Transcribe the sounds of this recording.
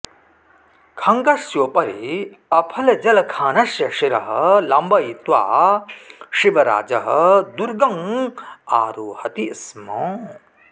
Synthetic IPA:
kʰɐŋɡɐsjoːpɐɾi | ɐpʰɐlɐd͡ʒɐlɐkʰaːnɐsjɐʃiɾɐɦɐlɐmbɐit̪ʋa̰ː | ʃiʋɐɾa̰ːd͡ʒɐɦɐd̪uɾɡɐŋ | aːɾuːhɐt̪ismɔ̃ː

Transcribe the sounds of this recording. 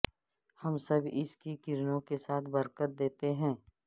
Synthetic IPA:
hɐmsɐbʱɪ̰skikɪɾnõkesaːt̪ʰbɐɾkət̪̚d̪eːt̪eɦɛ̃ː

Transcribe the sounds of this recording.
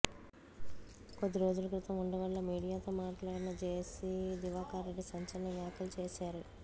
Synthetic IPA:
kod̪ːiɾo̞ːd͡ʒulɐkɾit̪ɐmuɳɖɐʋɐɭːɐmiːɽijaːt̪oːmaːʈlaːɽinɐt͡ʃeːsid̪iʋaːkaːɾɐɖisɐɲt͡ʃɐlɐnɐʋjaːkɐlut͡ʃeːʃaːɾu

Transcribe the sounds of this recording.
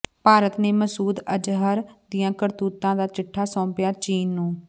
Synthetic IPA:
paːɾət̪neːməsuːd̪əd͡ʒɦəɾd̪ɪjãːkəɾt̪uːt̪ːãːd̪aːt͡ʃɪʈʰːaːsɔ̃ːpjaːt͡ʃiːnːũː

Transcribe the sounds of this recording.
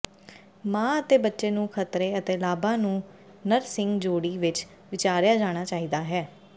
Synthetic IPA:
mãːət̪eːbətːʃeːnũːkʰət̪ɾeːət̪eːlaːbãːnũː | nəɾsɪŋɡd͡ʒoːɽiːʋɪt͡ʃ | ʋɪt͡ʃaːɾjaːd͡ʒaːɽ̃aːt͡ʃaːiːd̪aːɦɛː

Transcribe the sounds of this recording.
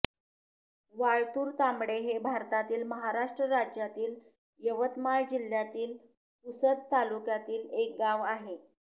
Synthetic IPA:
ʋaɭt̪uːɾt̪ambɽeɦebʱaɾt̪at̪iːlməɦaɾaʂʈɾəɾad͡ʑjat̪iːl | jəʋət̪maɭd͡ʑil̤jat̪iːl | t̪usəd̪̚t̪alukjat̪iːlek̚ɡaʋaɦe

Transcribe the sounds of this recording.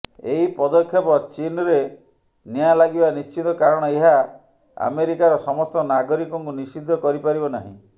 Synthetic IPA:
eɦipɔd̪ɔkʰːjɔpɔt͡ʃinɔɾe | nijalaɡibanist͡ʃit̪ɔkaɾɔɽ̃ɔeɦa | a̰meɾikaɾɔsɔmɔst̪ɔnaɡɔɾikɔŋkunisid̪ʱːɔkɔɾipaɾibɔnaɦḭ̃

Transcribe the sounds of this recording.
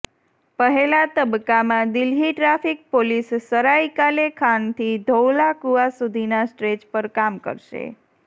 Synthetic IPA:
pəɦelat̪əbkːamãd̪ilɦiʈɾafik̚polisːəɾaikalekʰant̪ʰid̪ʱowlakuasud̪ʱinasʈɾed͡ʒpəɾkamkə̰ɾʃḛ

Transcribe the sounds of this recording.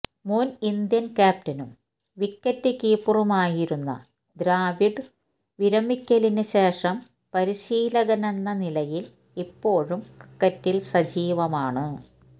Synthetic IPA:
munind̪jɐnkaːp̚tɐnum | ʋikːɐtːɨkiːpːurɐmaːjiɾunːɐ̰ | d̪ɾaːʋiɖɨ | ʋiɾɐmikʲːɐlinɨɕe̞ːʂɐm | pɐɾiɕiːlɐɣɐnenːɐnilɐjil | ipːo̞ːɻumkɨkːɐtːilsɐd͡ʑiːʋɐmaːɳɨ

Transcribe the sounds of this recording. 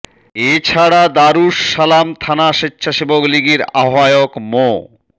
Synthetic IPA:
et͡ɕʰaɽad̪aɾuʃːalamt̪ʰanaʃetːɕʰaʃibokliɡiɾa̰ɦajokmo

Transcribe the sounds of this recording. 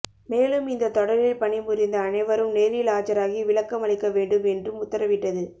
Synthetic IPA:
meːlɯmɪnd̪ɐt̪ɔɽɐɾɪlpɐɳɪmʊɾɪnd̪ɐːnɐɪʋɐɾɯmneːɾɪlaːt͡ʃɐɾaːɣiʋɪɭɐkːɐmɐɭɪkːɐʋeːɳɖɯmɛndrɯmʊt̪ːɐɾɐʋɪʈːɐðɯ

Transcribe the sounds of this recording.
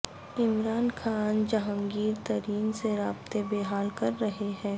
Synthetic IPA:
ɪmɾaːnxʰaːnd͡ʒɐɦəŋɡiːɾt̪ɐɾiːnseɾaːbt̪ebeːɦaːlkɐɾːɐɦeɦɛ̃ː

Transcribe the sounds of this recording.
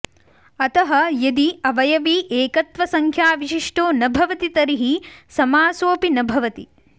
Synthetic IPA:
ɐt̪ɐɦɐjɐd̪iɐʋɐjɐʋiːʔeːkɐt̪ʋɐsɐŋkʰjaːʋiʃiʂʈoːnɐbʱɐʋɐt̪it̪ɐɾiɦisɐmaːsoːpinɐbʱɐʋɐt̪i

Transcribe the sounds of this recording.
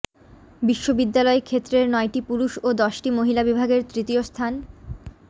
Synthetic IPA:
biʃːobid̪ːalɔekʰet̪ːɾeɾnɔeʈipuɾuʃod̪ɔʃʈimoɦilabibʱaɡeɾt̪ɾit̪iost̪ʰan

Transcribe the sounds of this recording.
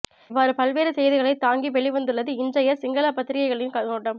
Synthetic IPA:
ɪʋːaːɾɯpɐlʋeːɾɯsɛjðɯɣɐɭɐɪt̪ːaːŋɡiʋɛɭiʋɐnd̪ɯɭːɐðɯɪndd͡ʒrɐjɐsɪŋɡɐlaːpɐt̪ːɪɾɪɣɐɪɣɐɭɐjɯnkɐoːʈːɐm

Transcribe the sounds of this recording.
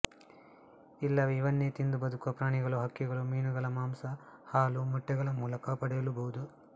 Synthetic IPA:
ilːɐʋiiʋɐnːet̪ind̪ubɐd̪ukuɐpɾaːɳiɡɐɭuɦɐkːiɡɐɭumiːnuɡɐɭɐmaːmsɐhaːlumɐʈːɛɡɐɭɐmuːlɐkɐpɐɽɛjɐlubɐɦud̪u

